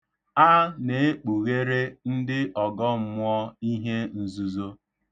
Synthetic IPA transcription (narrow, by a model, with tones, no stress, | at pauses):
a˦ne˨e˦k͡pu˨ɣe˦ɾe˦n̩˦dɪ˦ʔɔ˨ɡɔ˦m̩˦mʊ˦ɔ˦i˦ɦe˦n̩˨zu˨zo˦